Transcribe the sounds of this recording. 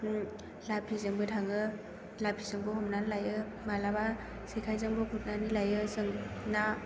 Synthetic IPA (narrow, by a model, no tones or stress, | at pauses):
lapʰizɯŋbɯtʰaŋɯ | lapʰizɯŋbɯɦɔmnanlajɯ | malaba | sekʰajzɯŋbɔkʰut̚nanilajɯsɯŋna